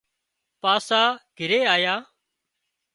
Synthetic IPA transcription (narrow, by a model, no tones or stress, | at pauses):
paːsaːɡ̥ʱɪɾeːaːjaː